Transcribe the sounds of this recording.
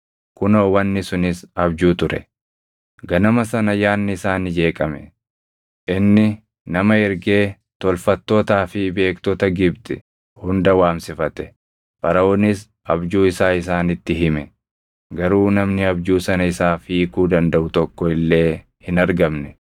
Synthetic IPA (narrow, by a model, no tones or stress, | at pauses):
kʊnɐwɐnːɪsʊnɪsɐbd͡ʒuːt̪ʊɾɛ̰ | ɡɐnɐmɐsɐnɐjaːnːɪɪsaːnɪd͡ʒe̞ːkʼɐmɛ | ʔɪnːɪ | nɐmɐɪɾɡeː | t̪ɔlfɐt̪ːoːt̪aːfɪbe̞ːkt̪ɔt̪ɐɡɪb̚t̪ʼɪ | hʊnd̪ɐwaːmsɪfɐt̪ɛ̥ | pɐɾɐoːnɪs | ʔɐbd͡ʒuːɪsaːɪsaːnɪt̪ːɪɦɪmɛ | ɡɐɾuːnɐmnɪɐbd͡ʒuːsɐnɐɪsaːfiːkuːd̪ɐnd̪ɐʔʊt̪ɔkːɔɪlːe̞ː | hɪnɐɾɡɐmnɛ